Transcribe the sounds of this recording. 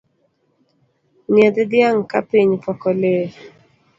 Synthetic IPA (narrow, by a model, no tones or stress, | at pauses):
ned̪d̪jaŋkapiɲpɔkɔle